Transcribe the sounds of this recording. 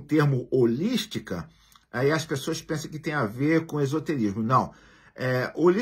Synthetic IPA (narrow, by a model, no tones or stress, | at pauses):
t̪eɾmʊoliʃt͡ʃikɐ̰ | aiɐspesoɐspẽsɐ̃w̃kɪt̪ẽj̃aveɾkõezot̪eɾizmʊnɐ̃w̃ | ɛoli